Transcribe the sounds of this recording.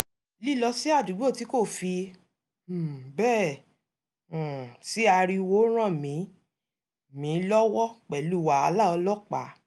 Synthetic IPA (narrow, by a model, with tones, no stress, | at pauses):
li˦˨lɔ˧si˦a˦˨du˨˦ɡ͡bo˦˨ti˨˦ko˦˨fi˧˨ | bɛː˦˨ | si˦a˧ɾi˧wo˦ɾ̃ã˦˨mĩ˨˦ | mĩ˨˦lɔ˦wɔ˦k͡pɛ˨lu˦wa˨˦a˧la˦˨ɔ˧lɔ˦k͡pa˨˦